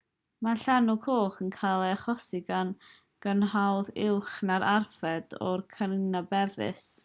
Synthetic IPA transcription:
maɬanukʰoːχənkʰalˠɛaχɔsɪɡan | ɡ̥ənɦawðɪwχnaɾʔarfɛdɔrkʰənnabɛðɪ̰s

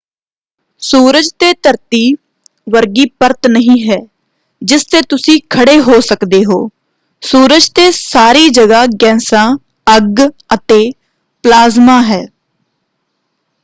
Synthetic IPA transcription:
suːɾəd͡ʒt̪eːt̪əɾt̪iː | ʋəɾɡiːpəɾt̪nəɦĩːɦɛː | d͡ʒɪst̪eːt̪ʊsĩːkʰəɽeːɦoːsəkd̪eːɦoː | suːɾəd͡ʒt̪eːsaːɾiːd͡ʒəɡaːɡɛ̃ːsãː | əɡ | ət̪eː | plaːzmaːɦɛː

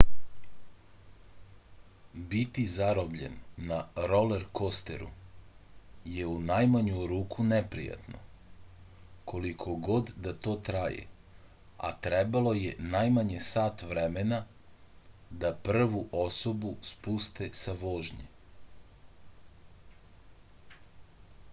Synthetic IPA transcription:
bit̪izaɾobʎḛnːaɾoleɾko̞st̪ḛɾṵ | je̞unajmaɲuɾuːkʰunepɾḭja̰t̪no̞̰ | kʰo̞likʰo̞ɡo̞d̪d̪at̪o̞ːt̪ɾajḛ | a̰t̪ɾebalˠo̞jenajmaɲe̞saːt̪ʋɾemena | d̪apr̩ʋuʔo̞so̞buspust̪e̞saʋoːʒɲḛ

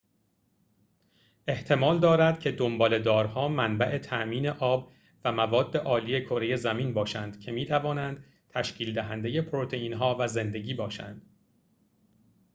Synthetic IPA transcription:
ʔe̞ht̪ʰe̞mɒːld̪ɒːɾæd̪cʰe̞d̪ombɒːle̞d̪ɒːɾhɒːmænbæʔe̞t̪ʰæʔmiːne̞ʔɒːb | væmævɒːd̪ːe̞ʔɒːliːje̞kʰo̞ɾe̞je̞zæminbɒːʃænd̪̥cʰe̞miːt̪ʰævɒːnænd̪̥ | t̪ʰæʃcʰiːld̪æɦænd̪e̞je̞pʰoɾot̪ʰe̞iːnɦɒːvæze̞nd̪e̞ɟiːbɒːʃæ̰nd̪̥

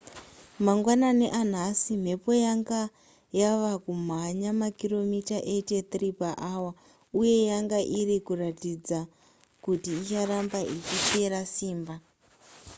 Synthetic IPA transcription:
maŋɡwanane̞ʔan̤asim̤e̞po̞jaŋɡa | jaʋakum̤aɲamakiro̞mitaʔe̞te̞t̪ripaʔaːwa | uje̞jaŋɡaʔirikuratid͡za | kutiːt͡ʃaɾambaʔit͡ʃit͡ʃe̞ɾasiːmba

